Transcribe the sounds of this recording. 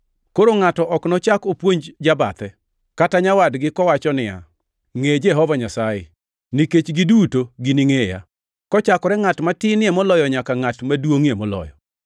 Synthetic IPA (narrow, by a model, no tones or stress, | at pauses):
koɾoŋatɔʔɔknɔt͡ʃakopwoɲd͡ʒd͡ʒaba̰t̪ɛ | kataɲawadɡɪkɔwat͡ʃɔnɪja̰ | ŋed͡ʒɛɦɔvaɲasajɪ | niket͡ʃɡɪdutoɡɪnɪŋeja̰ | kɔt͡ʃakɔɾɛŋatmatɪnɪɛmɔlɔjɔɲakaŋatmadwoŋemɔlɔ̰jɔ̰